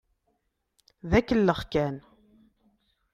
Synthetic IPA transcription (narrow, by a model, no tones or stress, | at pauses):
ðækːəlːəχkæn